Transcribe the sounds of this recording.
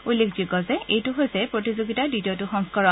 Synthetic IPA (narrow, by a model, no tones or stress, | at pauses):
ulːekziɡɔzɛʔejtʊɦojsɛpɹotizoɡitadidiɔtʊxɔŋskɔɹɔ